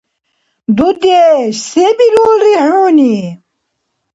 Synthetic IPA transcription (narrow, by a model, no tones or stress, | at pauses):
d̪ud̪eʃsebilulɾiʕuːni